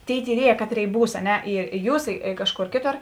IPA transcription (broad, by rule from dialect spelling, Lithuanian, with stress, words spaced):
ˈtʲeːɪ tʲiːˈrʲiɛjɛ ˈkɑːˌtʲrʲeːɪ ˈbuːs ɐ ˈnʲɛ ɪr ɪ ˈjuːs ɪ ˈkɑːʃˌkoːr ˈkʲeːˌtoːr